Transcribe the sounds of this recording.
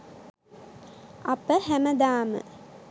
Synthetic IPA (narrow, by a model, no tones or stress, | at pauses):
ɐpəhæməd̪aːmə̰